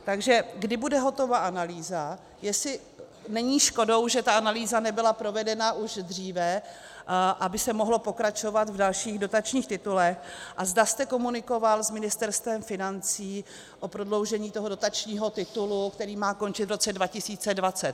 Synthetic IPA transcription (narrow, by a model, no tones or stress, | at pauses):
t̪aɡʒɛɡdɪbudɛɦo̞t̪o̞vaʔanaliːza | jɛsɪ | nɛɲiːʃko̞do̞wʒɛt̪aanaliːzanɛbɪlapɾo̞vɛdɛnaʔuʒd̪r̝iːvɛ | ʔabɪsɛmoɦlo̞po̞kɾat͡ʃo̞vat̪vdalʃiːɣdo̞t̪at͡ʃɲiːxt̪ɪt̪ulɛxʔazdast̪ɛko̞munɪko̞valzmɪnɪst̪ɛɾst̪vɛmfɪnant͡siː | ʔo̞pɾo̞dlo̞wʒɛɲiːt̪oɦodo̞t̪at͡ʃɲiːɦo̞t̪ɪt̪ulukt̪ɛɾiːmaːko̞nt͡ʃɪt̪vɾo̞t͡sɛdvacɪsiːt͡sɛdvat͡sɛt̪